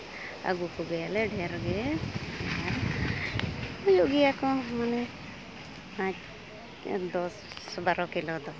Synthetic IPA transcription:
a̰ɡukuɡɛjalɛɖʱɛɾɡɛaaɾ | ujuʔɡɛjakɔmanɛ | pãt͡ʃ | d̪ɔs | baɾɔkilɔd̪ɔ

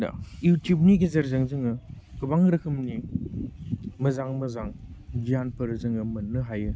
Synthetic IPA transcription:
da̰jutjup̚niɡezɐɾzɐŋzɯŋɯɡɯbaŋɾɐkʰɯmni | mɐzaŋmɐzaŋɡijanpʰɐɾzɯŋɯmɐnːɯɦajɯ

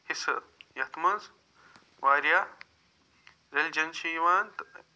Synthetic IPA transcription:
hisɨ̰ | jɐt̪mɐnz | ʋaːɾja | ɾeld͡ʒɐnʃiʋaːnt̪

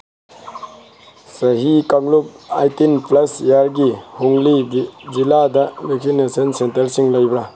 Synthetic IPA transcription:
sɐɦikaŋlup̚ajtinplɐsijaɾɡihuŋliziladɐweksinesɐnsentɐɾsiŋlɐjbɾa

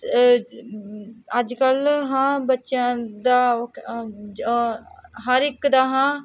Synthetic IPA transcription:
əd͡ʒkəlɦãːbətːʃjãːd̪aː | ɦəɾɪkd̪aːɦãː

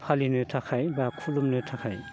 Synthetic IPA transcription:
pʰalinɯtʰakʰajbakʰulumnɯtʰakʰaj

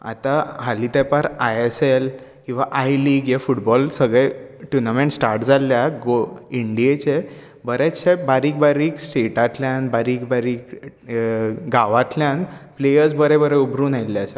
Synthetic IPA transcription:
a̰t̪aɦalit̪epaɾajesel | kĩw̃ʋaʔajliːɡjefuʈbɔlsəɡɭeʈunameɳʈsʈaɾʈd͡zaljaɡoiɳɖiet͡ɕe | bəɾet͡ɕʰːebaɾiːk̚baɾiːksʈeʈaʈ̪ʰljãnbaɾiːkbaɾiːk | ɡaʋaʈ̪ʰljanplejəɾsbəɾẽbəɾeubɾuːnajlːeəsa

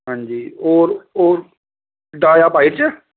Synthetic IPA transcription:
ɦãːɲd͡ʒiːoːɾoːɾ | ɖaːjaːpaːɪʈt͡ʃɛ

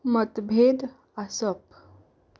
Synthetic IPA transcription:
mət̪bʱed̪ | asəp̚

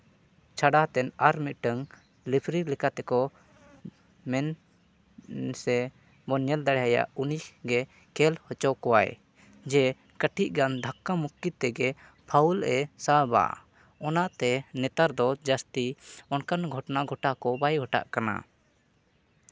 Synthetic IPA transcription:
t͡ʃʰaɽat̪ɛnaɾmit̪̚ʈəŋ | lipʰɾilɛkat̪ɛkɔ | mɛn | sɛ | bɔnɛld̪aɽɛɦaja̰ʔunisɡɛ | kɛlhɔt͡ʃɔkɔwaḛ | d͡ʒɛ | kəʈʰiʔ̚ɡand̪ʱakːamukːit̪ɛɡɛ | pʰaulɛsaba̰ | ɔnaʔt̪ɛnɛt̪aɾd̪ɔd͡ʒast̪iɔnkanɡʱɔʈnaɡʱɔʈakɔbajɡʱɔʈa̰ʔkana̰

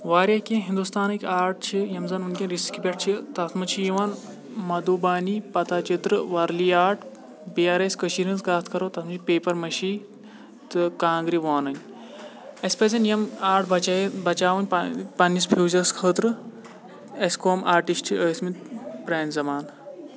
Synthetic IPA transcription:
ʋaːɾʲjɐkʲĩɦind̪ust̪aːnikʲaːɾʈ̚ʰt͡ʃʰijɐmzɐnunkʲɐ̃nɾiskʲibʲeʈ̚ʰt͡ʃʰit̪ɐt̪ʰmɐt͡ʃʰijiʋaːn | mɐd̪uːbaːnipɐt̪aːt͡ʃit̪ɾɨʋɐɾliːaːɾʈʰ | biːaːɾesʲkɐʃiːɾinzɡaːt̪ʰkʰɐɾoːt̪ɐt̪ʰmɐt͡ʃʰipeːpɐɾmɐʃiː | t̪ɨkãːŋɡɾiʋaːnɐnʲ | ɐsʲpɐz̬ɐnʲjɐmaːɾʈʰbɐt͡ʃbɐt͡ʃaːʋɐnʲpɐnːispʰuːzɐɾskʰəːt̪ɾɨ | ɐsʲkoːmʔaːɾʈisʈt͡ʃʰiʔəːsmit̪pɾeːnzɐmaːn

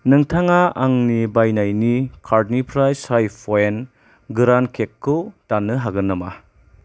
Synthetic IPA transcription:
nɯŋtʰaŋaaŋnibajnajnikʰaɾdnipʰɾajsajpʰoen | ɡɯɾankʰekʰːutanːɯɦaɡɯnːɐma

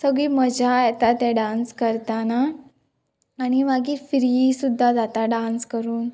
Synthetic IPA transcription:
səɡɭiːməd͡ʑajɛt̪at̪ɛɖãnskəɾt̪ana | ɽ̃iʋaɡiːɾfiɾisud̪ʱːad͡zat̪aɖãnskəɾuːn

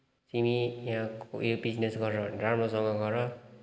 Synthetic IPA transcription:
t͡simijɦãko̰ebid͡znesɡʌɾʌdramʌsʌŋɡʌɡʌɾʌ

